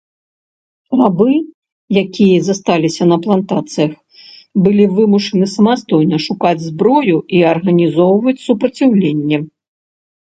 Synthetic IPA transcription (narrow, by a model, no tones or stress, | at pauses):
rabɨ | jakʲijɛzɐst̪alʲisʲɐnɐplˠant̪at̪sɨjɐx | bɨlʲivɨmuʂɐnɨsɐmast̪ɔjnɐʂukad͡zʲzbɾɔjuiɐrɣɐnʲizɔwvɐt͡sʲsupɾɐt͡sʲawlʲenʲːɛ